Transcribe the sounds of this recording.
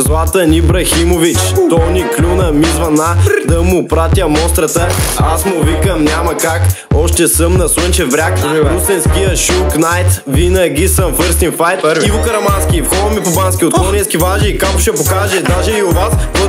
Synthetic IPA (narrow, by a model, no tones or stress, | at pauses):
zlˠat̪ənibɾɐximovit͡ʃtt̪ɔniklʲunɐmizvɐnad̪ɐmʊpɾat̪ʲjəmɔst̪ɾət̪əasmʊvikəmnʲamɐkakɔʃt̪ɛsəmnɐswənt͡ʃɛvɾʲakusɛnskijəʃuknajt̪vinəɡʲisəmfəɾst̪infajt̪ivʊkɐɾɐmansk̟ʲifxɔvɐmipobanskʲiot̪klɔnɛskʲivaʒɛikakʊʃɛpokaʒɛd̪aʒɛiʊvasv